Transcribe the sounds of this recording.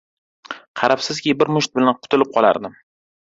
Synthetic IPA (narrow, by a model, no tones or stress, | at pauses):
qʰɑɾapsɪzkʲibɪɾmʊʃt̪̚bɪlanqʰʊt̪ʰɪlɪp̚qʰɒlˠa̰ɾd̪ɪm